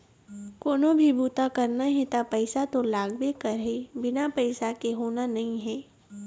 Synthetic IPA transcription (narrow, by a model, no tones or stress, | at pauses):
koːnõbʱibuːt̪akɐɾnaɦɛ̃t̪apɐɪsat̪olaːɡbekɐɾɦebɪnapɐɪsakeɦoːnanɐɦĩɦɛː